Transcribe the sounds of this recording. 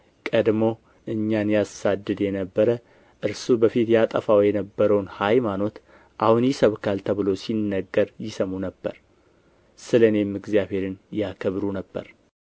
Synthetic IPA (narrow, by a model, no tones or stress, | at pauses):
kʼəd̪mo̞ | ʔɨɲːanjasad̪ːɨd̪jɛnəbːəɾə | ʔɨɾsubəfit̪jat̪ʼə̰fawjɛnəbːəɾəwnhajmano̞t̪ | ʔahunjɪsəβkʰalt̪ʰəβɨlo̞sinːəɡːəɾjɪsəmunəbːə̰ɾ | sɨləne̞mɨɡzijaβhe̞ɾɨnjakʰəβɾunəbːə̰ɾ